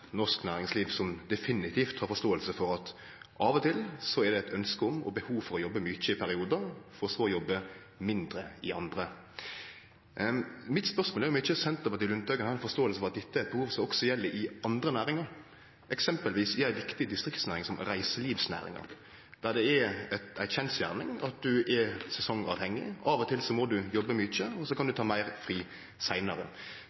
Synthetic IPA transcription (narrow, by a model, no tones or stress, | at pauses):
nɔʂknæːɾɪŋsliːʋsɔmd̪ɛfɪnɪt̪ʰiːft̪hɑːɾfɔʂt̪oːəlsəfɔɾɑt̪ | ʔɑːʋɔt̪ʰɪlsɔɛʁd̪ɛæt̪œnskəɔmɔ̰bəhuːfɔɾɔjɔbːəmʏt͡ʃːəɪpʰæɾɪuːd̪əɾfɔɾɔsoːjɔbːə | mɪnd̪ɾəɪʔɑnd̪ɾə | mɪt̪spœʁsmoːlæɾjʊmɪçːəsɛnt̪ɔpɑt̪ɪlʉnt̪̚ɑːɡənɑɾɛnfɔʂst̪oːəlsəfɔʁɑt̪̚d̪ɛt̪ːəɛt̪̚bəhuːʋsɑlɔksɔjɛlːəʔɪɑnd̪ɾənæːɾɪŋɑɾ | ɛksɛmpəlʋiːsɪæɪʋɪkt̪ɪd̪ɪst̪ɾɪkt̪snæːɾɪŋsɔmɾæɪsəliːʋsnæ̰ːɾɪ̰ŋɑ̰ɾ | d̪̥æɾd̪ɛɛɛt̪æɪçɛnsjæ̰ːʁnɪŋɑt̪̚d̪ʉʔɛsɛsɔŋɑ̰ʋhɛŋːɪ̰ʔɑʋɔt̪ʰɪlsɔmɔd̪ʉjɔbːəmʏt͡ʃːəɔsɔkʰɑnd̪ʉt̪ɑːmæɪʁfʁiː | sæɪnɑɾə̰